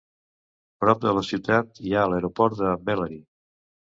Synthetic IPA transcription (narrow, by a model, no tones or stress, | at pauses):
pɾɔb̚d̪ələsiwt̪at̪iaələɾopɔɾt̪d̪əbɛləɾi